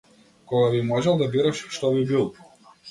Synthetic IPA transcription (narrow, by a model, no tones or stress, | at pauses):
kɔɡabimɔʒɛlˠd̪abiɾaʃʃt̪ɔbibilˠ